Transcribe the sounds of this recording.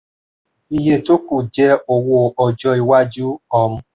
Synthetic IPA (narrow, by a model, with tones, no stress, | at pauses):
i˧je˧to˦ku˦˨d͡ʒɛ˦o˨wo˧ɔ˨d͡ʒɔ˧i˧wa˦d͡ʒu˦ɔ˧˨m̩˦